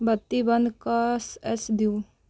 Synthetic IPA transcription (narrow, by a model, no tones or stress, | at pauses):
bət̪ːibənd̪kasɛsd̪iu